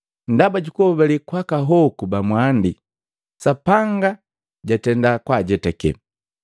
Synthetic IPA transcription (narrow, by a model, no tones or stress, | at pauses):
ndabaɟukuɔbɛlikwakaɦɔkubamwandi | sapaŋɡa | ɟatɛndakwaɟɛtɛkɛ̰